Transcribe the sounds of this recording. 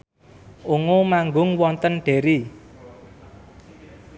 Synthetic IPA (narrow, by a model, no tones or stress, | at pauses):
ʔuŋomaŋɡʊŋwɔnt̪ənɖ̥e̤ɾi